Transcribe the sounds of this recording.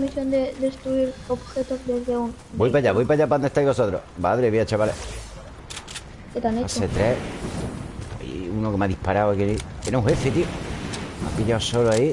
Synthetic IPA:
misjond̪ed̪est̪ɾuiɾobxet̪ozd̪ezðeun | bojpaʎaβojpaʎap̬aond̪eht̪ajβo̞sot̪ɾo̰baðɾeβiat͡ʃaβale | ket̪aneset̪ɾe | po̰ḭunokemaðihpaɾawakeikeneũŋhefet̪ioma̰piʎaosoloai

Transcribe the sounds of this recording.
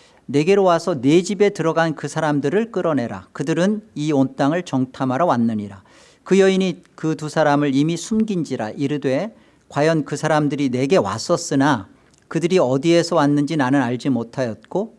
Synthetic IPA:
ne̞ɡe̞ɾowasʰʌne̞d͡ʑibe̞tɯɾʌɡankɯsʰaɾamdɯɾɯɭk͈ɯɾʌne̞ɾa̰kɯdɯɾɯniont͈aŋɯɭt͡ɕʌŋtʰamɦaɾʌwanːɯɲiɾa | kɯjʌinikɯtusʰaɾamɯɭimisʰumɡind͡ʑiɾa̰ʔiɾɯdwe̞ | kwajʌnkɯsʰaɾamdɯɾine̞ɡe̞wa̰s͈ʌs͈ɯna | kɯdɯɾiʌdie̞sʰʌwanːɯnd͡ʑinanɯnaɭd͡ʑimotʰajʌt̚k͈o

